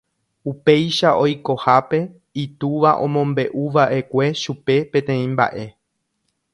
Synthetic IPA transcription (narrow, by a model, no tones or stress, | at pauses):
upe̞jʃaʔo̞jko̞hape̞ | it̪uʋaʔõ̞̰mõ̞mbe̞ʔuʋaʔe̞kʷe̞ʃupe̞pẽ̞t̪ẽ̞ĩmba̰ʔe̞